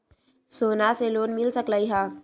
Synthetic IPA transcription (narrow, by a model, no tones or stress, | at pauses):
soːnaseloːnmɪlsəkləiɦãː